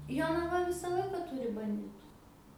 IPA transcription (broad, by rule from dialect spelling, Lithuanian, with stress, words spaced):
joːnɐˈʋɐ ˈʋʲɪsɐ ˈlˠɐɪkɐ ˈtʊrʲɪ bɐnʲˈdʲɪtʊ